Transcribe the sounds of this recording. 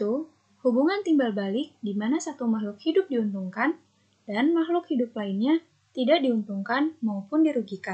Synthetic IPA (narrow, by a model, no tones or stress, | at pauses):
t̪u | hubuŋant̪imbalbalɪk̚dimanasat̪umahlʊk̚hidʊp̚diunt̪uŋkan | danmahlʊkhidʊplainɲa | t̪idaʔdiunt̪uŋkanmaopʊndiɾuɡika